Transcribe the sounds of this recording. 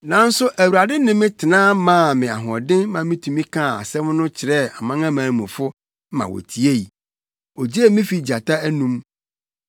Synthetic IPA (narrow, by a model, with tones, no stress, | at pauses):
nã˨˦n̩˦sʊ˦ʔæ˨wu˨ɾa˨dɪ˦nɪ̃˦mɪ̃˦tʰɪ˨nãː˦mã˦˨mɪ̃˨a˨ɦɔ̃˨dɪ̃˦n˦mã˨mĩ˦tʰũ˨mĩ˦kʰã˦˨a̰˨sɛ˦m˦nʊ̃˦t͡ɕʰɪ˨ɾɛ˦a˨mã˦ŋã˦mãː˨n˨mũ˨fʊ˦ | mã̰˨wɔ̰˨tʰi˨e˦i˨ | ɔ˨d͡ʑi˦ɛ˦mɪ̃˦fi˨d͡ʑa˨tʰa˦æ˦nũ˦m